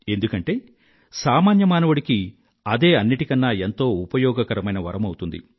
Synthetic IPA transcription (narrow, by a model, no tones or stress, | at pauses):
e̞nd̪ukɐɳʈe̞ː | saːmaːnjɐmaːnɐʋuɽiki | ɐd̪e̞ːɐnːiʈikɐnːaːent̪o̞ːupɐjɔːɡɐkɐɾɐmɐjnɐʋɐ̰ɾɐmɐwut̪und̪ḭ